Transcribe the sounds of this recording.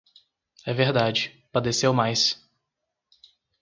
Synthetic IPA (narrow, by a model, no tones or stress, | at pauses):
ɛveɾd̪ad͡ʒɪ | pad̪esewmajs